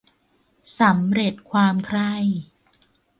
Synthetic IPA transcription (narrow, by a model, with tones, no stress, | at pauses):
sa˩˦mɾe˨˩t̪̚kʰwaː˧mkʰɾa˥˩j